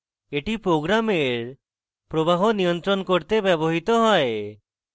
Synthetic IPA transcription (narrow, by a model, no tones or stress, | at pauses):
eʈipɾoɡɾameɾ | pɾobaɦɔnijɔnt̪ɾɔnkoɾt̪ebɛbɔɦit̪ɔɦɔe